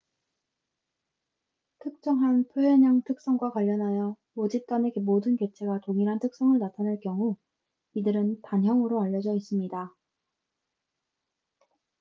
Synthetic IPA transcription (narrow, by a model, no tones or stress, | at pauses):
tʰɯk̚t͡ɕ͈ʌŋɦanpʰjoeɲaŋtʰɯk̚s͈ʌŋɡwakwaʎːʌnɦajʌ | od͡ʑip̚t͈ane̞ɡemodɯnke̞t͡ɕʰe̞ɡatoŋiɾɦantʰɯk̚s͈ʌŋɯɭnatʰanɯɭkjʌŋu | idɯɾɯntanjʌŋɯɾoaʎːʌd͡ʑʌis͈ɯmɲida